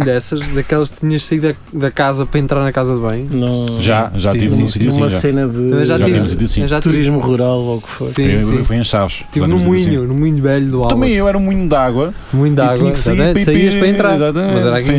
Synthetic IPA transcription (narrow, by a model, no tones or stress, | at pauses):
d̪ɛsɐʃðɐkɛlˠɐʃkt̪iɲɐʃsɐiðɐ | ðɐkazɐpɾɐẽnt̪ɾaɾnɐkazɐðβɐ̃j̃nɐ̃w̃ʒaʒatĩivũsit̪uumɐsenɐðɨɐmɐ̃ʒat̪ivivusit̪usĩɐ̃ʒat̪t̪uɾiʒmuʁuɾalˠoukfo̰ssĩifojẽʃavʃt̪ivnumiɲunumũɲuvɛʎuðualˠɐmɐ̃j̃ewɛɾɐumuiɲuðaɣwɐ | mũɲud̪aɣwiɐɲksat̪ɐmẽt̪sɐiɐʃppɾɐẽnt̪ɾaɾizat̪ɐm̃mɐzɛɾaɣɐ̃